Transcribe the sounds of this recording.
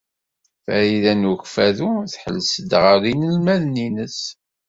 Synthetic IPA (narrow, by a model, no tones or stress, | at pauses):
fæiðænuçfæðuθħə̰lsəd̪ʁəɾinəlmæðninəs